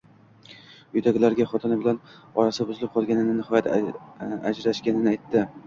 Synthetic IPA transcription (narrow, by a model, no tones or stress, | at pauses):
jʊd̪aɡʲɪlaɾɡʲaχɒt̪ʰɪnɪbɪlanɒɾasɪbʊzɪlɪp̚qʰɒlˠɡʲanɪnɪnɪhɒjat̪ʰ | ad͡ʒɾaʃɡʲanɪnɪajt̪ʰːɪ